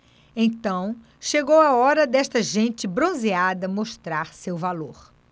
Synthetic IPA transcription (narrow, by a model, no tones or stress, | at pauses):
ẽjt̪ɐ̃w̃ | ʃeɡowaɔɾɐd̪ɛʃt̪ɐʒẽt͡ʃɪbɾõziad̪ɐmoʃt̪ɾaɾsewvaloɾ